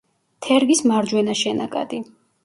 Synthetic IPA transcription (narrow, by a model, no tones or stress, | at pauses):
t̪ʰɛɾɡismaɾd͡ʒwɛnaʃɛna̰kʼa̰d̪i